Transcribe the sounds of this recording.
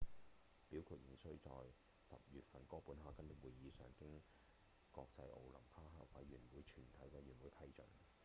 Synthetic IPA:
piː˨˥wkʰu˧t̚ji˨˩sɵ˥ɥt͡sɔː˧j | sɐ̰˨p̚jyː˨t̚fɐ˧nkɔː˥puː˨˥nɦaː˥kːɐ˥nʊ˨˩wuː˨jjiː˨˧sœː˨˥ŋkɪ˥ŋ | kɔː˧k̚t͡sɐ˧jʔo̰˨˧wlɐ˨˩mpʰaː˥ɦa̰ː˥k̚wɐ˨˥jɥyː˨˩nwuː˨˧jt͡ʃʰyː˨˩nt̪ʰɐ˨˥jwɐ˨˧jɥyː˨˩nwuː˨˥jpʰɐ˥jt͡ʃɵ˨˥n

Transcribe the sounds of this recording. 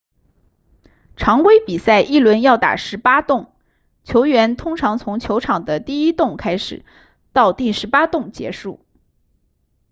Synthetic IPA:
ʈ͡ʂʰɑ˧˥ŋkwe˥ɪpi˨˩sa˥˩ɪʔi˥˩lwə˧˥njɑ˥˩ʊt̪a̰˨˩ʂɻ̩˧˥pa˥t̪ʊ˥˩ŋ | t͡ɕʰjo˧˥ʊɥɛ˧˥nt̪ʰʊ˥ŋʈ͡ʂʰɑ˧˥ŋt͡sʰʊ˧˥ŋt͡ɕʰjo˧˥ʊʈ͡ʂʰɑ˨˩ŋd̪ə˦t̪i˥˩i˥t̪ʊ˥˩ŋkʰa˥ɪʂɻ̩̰˨˩˦ | t̪ɑ˥˧ʊt̪i˥˩ʂɻ̩˧˥pa˥t̪ʊ˥˩ŋt͡ɕjɛ̰˧˥ʂu˥˩

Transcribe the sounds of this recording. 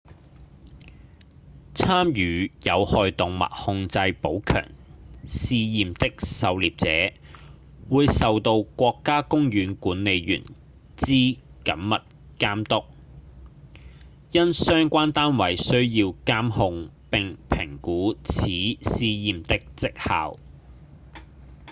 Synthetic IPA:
t͡sʰaː˥mjyː˨˩jɐ˨˧whɔː˨˧jt̪ʊ˨ŋmɐ̰˨˩k̚hʊ˧ŋt͡sɐ˧jpo˨˥wkʰœ̰ː˨˩ŋsiː˧jiː˨mt̪ɪ˥k̚sɐ˨˧wliː˨p̚t͡sɛ̰ː˨˥ | wuː˨˧jsɐ˨wt̪o˧wkʷɔː˧kːaː˥kʊ˥ŋjyː˨˥nkuː˨˥nːe˨˧jjy̰ː˨˩n | t͡siː˥kɐ̰˨˥mmɐ˨t̚ | kaː˥mt̪ʊ˥k̚ | jɐ˥nsœː˥ŋkʷaː˥nt̪aː˥nwɐ˨˩jsɵ˥ɥjiː˧wkaː˥mhʊ˧ŋ | pɪ˨ŋpʰɪ˨˩ŋkuː˨˥t͡sʰiː˨˥siː˧jiː˨mt̪ɪ˥k̚t͡sɪ˥k̚ha̰ː˨w

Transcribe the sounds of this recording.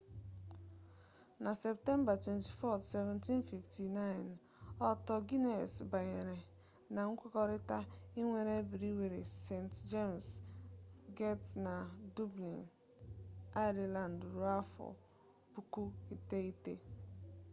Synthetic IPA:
na˨se˨p̚te˦mba˨twe˨nti˨fɔ˦tse˨vɛ̃˨nti˦nfi˨fti˨na˦ɪ˨n | ɔ˦tɔ˦ɡi˦ne˨sba˨ɲe˨ɾe˨ | na˨ŋ̩˦kʷɔ˦kɔ˦ɾɪ˦ta˦i˦ŋʷe˨ɾe˦bi˨ɾi˦we˨ɾe˨se˨ntd͡ʒe˦ms | ɡe˦tna˨du˦blḭ˨n | a˦ɪ˦ɾi˨la˨ndɾu˨˦a˦fɔ̰˨ | bu˨ku˦i˨te˦i˦tḛ˦

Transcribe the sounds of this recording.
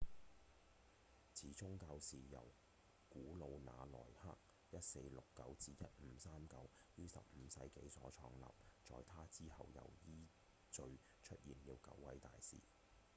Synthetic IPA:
t͡sʰiː˨˥t͡ʃʊ˥ŋkaː˧wsiː˨jɐ̰˨˩w | kuː˨˥lo˨˧wna̰ː˨˧lɔ̰ː˨˩jha̰ː˥k̚ | jɐ˥t̚se˧jlʊ˨kːɐ˨˥wt͡siː˧jɐ˥t̚m̩ː˨˧˥saː˥mkɐ˨˧w | jyː˥sɐ̰˨p̚m̩ː˨˧sɐ˧jke˨˥jsɔː˨˥t͡ʃʰɔː˧ŋlɐ̰ː˨p̚t͡sɔ̰ː˨jt̪ʰaː˥t͡siː˥hɐ˨wjɐ̰˨˩wjiː˥ | t͡sɵ˧ɥ | t͡ʃʰɵ˥t̚jiː˨˩njiː˧wkɐ̰˨˥wːɐ˨˥jt̪aː˨jsḭː˨

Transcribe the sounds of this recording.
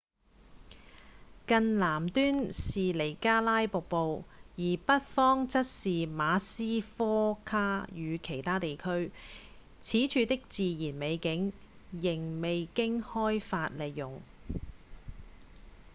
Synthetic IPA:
kɐ˨nlaː˨˩mt̪yː˥nsiː˨le˨˩jkaː˥laː˥jpʊ˨k̚po˨wjiː˨˩pɐ˥t̚fɔː˥ŋt͡sɐ˥t̚siː˨maː˨˧siː˥fɔː˥kʰaː˥jyː˨˧kʰe˨˩jt̪ʰaː˥t̪e˨jkʰɵ˥ɥ | t͡sʰiː˨˥t͡ʃʰyː˨˧t̪ɪ˥k̚t͡siː˨jiː˨˩nme˨˧jkɪ˨˥ŋ | jɪ˨˩ŋme˨jkɪ˥ŋhɔː˥jfaː˧t̚le˨jːʊ˨˩ŋ

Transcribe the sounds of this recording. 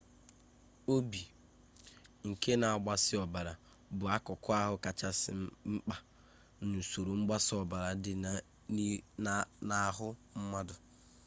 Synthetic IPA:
o˦bi˨ | ŋ̩˨ke˦na˨a˨ɡ͡ba˦sɪ˦ɔ˨ba˨ɾa˨ | bʊ˨a˦kʊ˨kʊ˦a˦ɦʊ˦ka˨t͡ʃa˦sɪ˨˦m̩˦k͡pa˦ | nu˨so˨ɾo˨ŋ͡m̩˦ɡ͡ba˦sɪ˦ɔ˨ba˨ɾa˨dɪ˨ | na˨˦ɦʊ˦m̩˦ma˦dʊ˨

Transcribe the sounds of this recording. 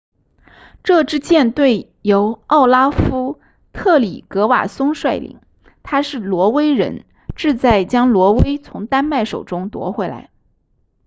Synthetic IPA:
ʈ͡ʂɤ˥˧ʈ͡ʂɻ̩˥t͡ɕjɛ˥˧nt̪we˥˩ɪ | jo˧˥ʊɑ˥˩ʊla˥fu˥ | t̪ʰɤ˥˩lḭ˨˩kɤ˧˥wa̰˨˩sʊ˥ŋʂwa˥˩ɪlḭ˨˩˦ŋ | t̪ʰa˥ʂɻ̩˥˩lwɔ˧˥we˥ɪɻə̰˧˥n | ʈ͡ʂɻ̩˥˧t͡sa˥˩ɪt͡ɕjɑ˥ŋlwɔ˧˥we˥ɪt͡sʰʊ˧˥ŋt̪a˥nma˥˩ɪʂo˨˩ʊʈ͡ʂʊ˥ŋt̪wɔ̰˧˥xwɛ˧˥la̰˧˥ɪ

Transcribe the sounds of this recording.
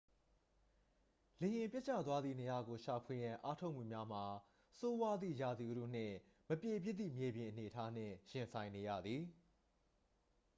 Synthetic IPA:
le˨jɪ̃˨mpjɛ˦t͡ɕʰa̰˦˨t̪wa˦d̪ðḭ˦˨ne˨ja˨ɡo˨ʃa˨pʰwe˨jã˨ʔa˦tʰo˦ʊʔmṵ˨mja˦m̥a˨ | so˦wa˦d̪ðḭ˦˨ja˨d̪i˨ʔɾṵ˦˨n̥ɪ̰̃˦˨ | məpje˨bjɪ˦t̪ðḭ˦˨mje˨bjɪ̃˨ʔəne˨ətʰa˦n̥ɪ̰̃˦˨jɪ̃˨nsʰã˨ɪ̃ne˨ja̰˦˨d̪ði˨

